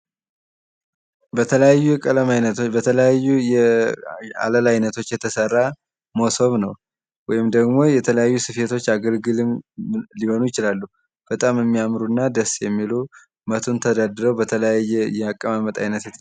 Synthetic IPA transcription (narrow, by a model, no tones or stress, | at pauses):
bət̪ʰələjajːujɛkʼələmajnət̪bət̪ʰələjajːujɛ | a̰ləlajnət̪ʰo̞t͡ʃːjɛt̪ʰəsərːa | mosoβnəw | wɔjɪmd̪əɡmo̞jɛt̪ʰələjajːusɨfet̪ʰo̞t͡ʃːaɡəlɡɨlɨmliho̞nujɪt͡ʃɪlalːu | b̥ət̪ʼamjɛmːiamɾuɨnːad̪əsːjɛmːilu | mət̪ʰunt̪ʰəd̪ad̪ɾəwbət̪ʰələjajːɛjɛakʼːəmamət̪ʼa̰jnət̪t̪